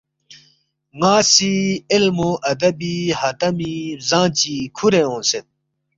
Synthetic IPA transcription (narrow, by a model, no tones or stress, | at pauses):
ŋaːsiilmoʔɐd̪ɐbihɐt̪ɐmizãːt͡ɕikʰuɾeõːset̪̚